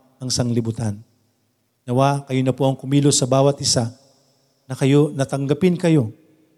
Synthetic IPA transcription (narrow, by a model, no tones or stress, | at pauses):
ɐŋsɐŋlɪbʊt̪anː | ɐwakɐjonɐpoʔɐŋkʊmiːlosɐbaːwɐt̪̚ʔɪsa | nɐkɐjo̞nɐt̪ɐŋɡɐpɪnkɐjo̞